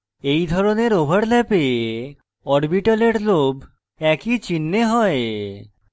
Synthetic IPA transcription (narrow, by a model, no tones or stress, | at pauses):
ejd̪ʱɔɾoneɾobʱaɽlɛpe | ɔɾbiʈaleʈlob | ɛkit͡ɕinːeɦɔe